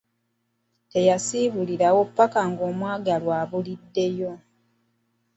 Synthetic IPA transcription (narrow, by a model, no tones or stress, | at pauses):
te̞jasiβuliɾawo̞pːakaŋɡoːmwaːɡalwaːβulidːe̞jo̞